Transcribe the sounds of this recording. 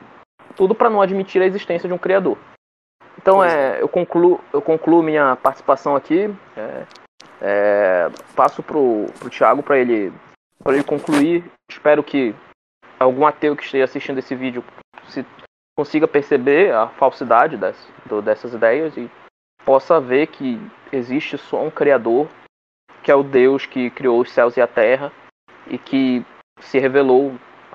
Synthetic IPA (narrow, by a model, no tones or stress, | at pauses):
t̪ud̪ʊpɾɐnɐ̃w̃ad͡ʒimit͡ʃiɾɐeziʃt̪ẽsjɐd͡ʒɪũkɾiad̪oɾ | ẽnt̪ɐ̃w̃ɛḛwkõkluewkõklumĩɲɐpaɾt͡ʃɪ̥si̥pasɐ̃w̃akinɛ̰ | ɛ | pasʊpɾʊpɾʊt͡ʃiaɡʊpɾɐelɪ | pɾɐelɪkõklui | ɪʃpɛɾʊkʰɪ | awɡũat̪ewkɪ̥ʃt̪eʒɐasiʃt͡ʃĩnd̪ʊesɪvid͡ʒʊsɪ | kõsiɡɐpeɾsebeafawsid̪ad͡ʒɪd̪ɛsd̪ʊd̪ɛsɐzid̪ɛjɐzɪ | pɔsɐvekʰɪeziʃt͡ʃɪsɔ̰ũkɾiad̪oɾ | kɪɛʊd̪ewskɪkɾiowʊsɛwzɪat̪ɛɦɐ | ɪ̰kʰɪ | sɪɦevelow